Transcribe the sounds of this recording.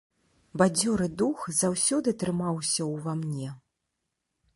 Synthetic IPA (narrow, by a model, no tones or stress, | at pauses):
bad͡zʲɔɾɨd̪uxzawsʲɔd̪ɨt̪ɾɨmawsʲɐwvamnʲɛ